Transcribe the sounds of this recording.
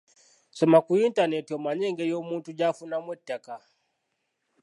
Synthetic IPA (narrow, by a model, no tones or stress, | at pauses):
sɔmakuintanɛtiɔmaɲɛŋɡɛjɔmuntud͡ʒafunamwɛtːaka